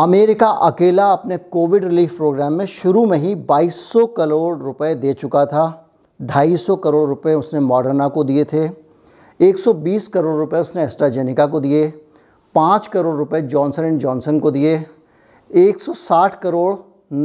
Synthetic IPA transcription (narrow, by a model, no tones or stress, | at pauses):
ɐmeːɾɪkaʔɐkeːlaɐpnekoːʋɪɖɾɪliːfpɾoːɡɾɛːmːẽʃʊɾumẽɦĩbaːiːsːɔkɐɾoːɽɾʊped̪eːt͡ʃʊkat̪ʰa | ɖʱaːiːsːɔkɐɾoːɽɾʊpeʊsnemɔːɖəɾnakod̪iet̪ʰe | eːksɔbiːskɐɾoːɽɾʊpeʊsneɛːsʈɾazeːnɪkakod̪ie | pãːt͡ʃkɐɾoːɽɾʊped͡ʒɔːnsənɛ̃ɳd͡ʒɔːnsənkod̪ie | eːksɔsaːʈʰkɐɾoːɽ